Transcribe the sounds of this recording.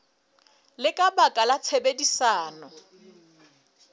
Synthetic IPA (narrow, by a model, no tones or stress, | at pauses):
lɪkʼabakʼalat͡sʰebedisaːnɔ